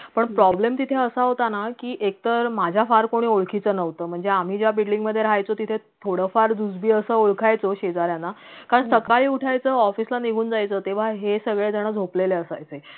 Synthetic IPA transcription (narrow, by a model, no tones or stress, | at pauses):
pəɳpɾɔblemt̪it̪ʰeəsaɦot̪anakiːʔek̚t̪əɾmad͡ʑʱjafaɾkoɽ̃iːoɭkʰit͡səːnəʋt̪əːm̤əɳd͡zeam̤iːd͡ʑjabiɽɖiŋɡməd̪ʱːjeɾajt͡sot̪it̪ʰe | t̪ʰoɽəfaɾd͡zud͡zbʱiːəsəːoɭkʰajt͡soɕed͡zaɾjanakaɾəɳsəkaɭiːuʈʰajt͡səːɔfislaniɡʱuːnd͡zajt͡səːt̪eʋ̤aɦesəɡɭed͡zəɽ̃əd͡zʱopleleəsa̰jt͡se